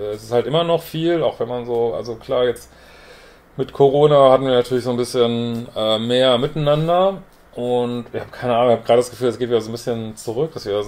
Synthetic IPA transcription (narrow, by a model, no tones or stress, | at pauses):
ɛɛsɪsthaltʔɪmɐnɔχfiːlaʊxvɛnmanzoːʔa̰lzokʰl̥aːɐjɛt͡st | mɪtkʰoʁoːnahatn̩viːɐnatʰyɐlɪçz̥oːnbɪsçənʔɛːmeːɐmɪtnnandɐ | ʔʊntɪçhaːbə̥kʰaɪnəʔaːnʊŋɪçhabəɡʁaːdəd̥asɡ̥ə̥fyːlɛsɡ̥etviːdɐzoːnbɪsçənt͡suʁ̞ʏk̚d̥asv̥iːdɐ